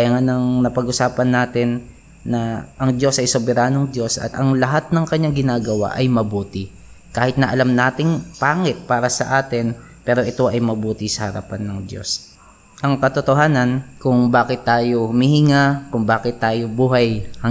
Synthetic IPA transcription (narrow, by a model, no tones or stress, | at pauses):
jɐŋanɐŋnɐpɐɡʔʊsaːpɐnːaːt̪ɪnː | ɐʔɐŋd̪jo̞sɐjsobɛɾaːnoŋd̪jo̞sʔɐ̰t̪ɐŋlɐɦat̪̚nɐŋkɐɲːaŋɡɪnaːɡɐwa̰ʔɐjmɐbuːt̪ɪ | kaːhɪt̪nɐʔɐlamnaːt̪ɪŋpaːŋɪt̪̚paːɾɐsɐʔaːt̪ɪn | pɛːɾo̞ʔɪt̪o̞ʔɐjmɐbuːt̪ɪsɐhɐɾɐ̰panːɐŋd̪jo̰s | ʔɐŋkɐt̪ot̪oɦaːnɐnkʊŋbaːkɪt̪ːaːjohʊmihɪŋakʊŋbaːkɪt̪ːaːjo̞buːɦɐjhɐ